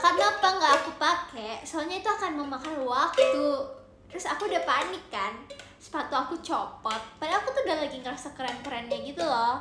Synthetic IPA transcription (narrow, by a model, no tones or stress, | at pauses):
karnapaŋɡaʔːkupakɛsoalɲait̪uakanməmakanwak̚t̪u | t̪ɾʊsakuːdahpanɪkːan | sə̥pat̪uakut͡ʃɔpɔt̪̚palɪŋakut̪udalaɡiŋkəɾsəkəɾankəɾanɲaɡit̪ulɔ